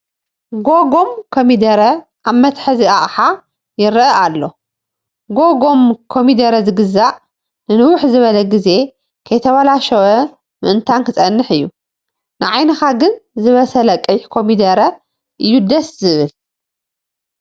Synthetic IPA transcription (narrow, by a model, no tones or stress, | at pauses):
ɡoɡo̞mkʰomid̪ɐɾɐ | ʔaβmɐt̪ħaziʔaʔħa | jɪɾʔɐʔalːo̞ | ɡoɡo̞mkʰomid̪ɐɾɐzɨɡɨzaʔ | nɨnɨwʊħzɨβɐlɐɡize̞ | kʰɐjt̪ʰɐβalaʃɐwɐ | mɨ̰ʔɨnt̪ʰankʰɨt͡sʼɐnːɨħɨjːu | nɨʕajnɐxaɡɨnzɨβɐsɐlɐkʼɨħkʰomid̪ɐɾɐ | ʔɨjːud̪ɐszɨβɨl